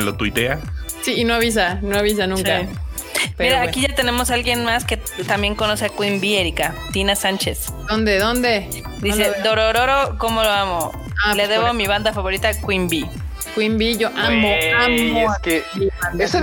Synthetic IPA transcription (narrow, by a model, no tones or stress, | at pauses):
lot̪wit̪easiːnoaβis̬anoaβis̬anũŋka | peɾːkiʝat̪ene̞mo̞salɣjenmasket̪ambje̞ŋko̞no̞seakwimbieɾikat̪inasant͡ʃes | d̪ond̪eðond̪e | d̪ised̪oɾoɾoɾokomoloamo | aleðeβomiβand̪afaβo̞ɾit̪akwimbi | kwimbiʝoʔamoamokeiaese